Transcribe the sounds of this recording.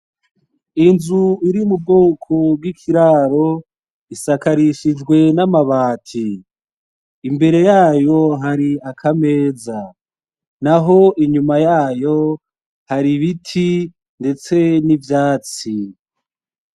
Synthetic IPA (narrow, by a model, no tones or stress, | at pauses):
inzuiɾiumub̚ɡoːkʰobɡwikʰiɾaːɾo̞ | isakaɾiʃid͡ʒɡwe̞namaβaːtʰi | mbe̞ɾe̞jaːjo̞ɦaɾiakʰame̞ːza | naɦo̞ʔiɲumajaːjo̞ | haɾiβitʰi | nde̞t͡se̞nivjaːt͡si